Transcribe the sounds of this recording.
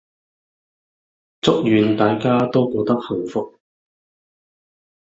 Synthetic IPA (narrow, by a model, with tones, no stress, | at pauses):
t͡sʊ˥k̚jyː˨nt̪aː˨˧jkaː˥t̪o˥wkoː˧t̪ɐ˥k̚hɐ˨˩ŋfʊ˨k̚